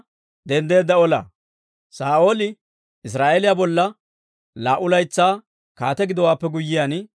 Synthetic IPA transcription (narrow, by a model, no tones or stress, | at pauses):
d̪ɛnd̪e̞ːd̪ːɐɔlɐ̰ | saːʔo̞ːlɪ | ɪs̬ɾaːʔelɪjabɔlːɐ | laːʔʊlɐjt͡sːaː | ka̰ːt̪ɛɡɪd̪ɔwaːpːɛɡʊjːɪjaːn